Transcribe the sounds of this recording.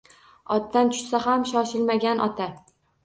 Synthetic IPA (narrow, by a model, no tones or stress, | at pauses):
ɒt̪̚ːant̪ʰʊ̥ʃsaɦamʃɒʃɪlmaɡʲanʔɒ̰t̪ʰa